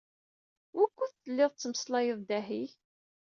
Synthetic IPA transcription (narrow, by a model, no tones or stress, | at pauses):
wækʷːuθθəlːɪðˤt͡sːəməslɑjəðˤd̪æɦi